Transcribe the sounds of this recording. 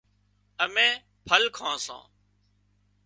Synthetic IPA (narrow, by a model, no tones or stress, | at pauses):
əmẽː | pʰəlkʰãːsã̰ː